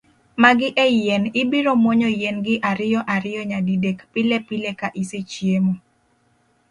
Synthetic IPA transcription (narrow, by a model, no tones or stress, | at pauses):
maɡɪʔejjɛnɪbiɾomwoɲɔjɛnɡɪʔaɾɪjɔʔaɾɪjɔɲadidekpɪlepilekaʔiset͡ʃjemo